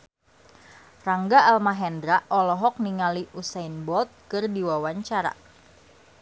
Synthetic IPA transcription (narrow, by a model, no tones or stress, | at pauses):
raŋɡaːlmaɦɛndɾaʔɔlɔɦɔk̚niŋaliʔusajnbɔt̪̚kɨrdiwawaɲt͡ʃaɾa̰